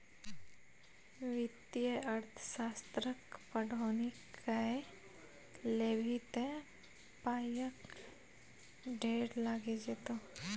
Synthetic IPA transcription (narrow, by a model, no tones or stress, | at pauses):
ʋɪt̪jəəɾt̪ʰə̥ʃaːst̪ɾəkpəɽʱoːnikʰae | lebʱit̪e | paːjək | ɖʱeːɽlaːɡed͡ʒet̪o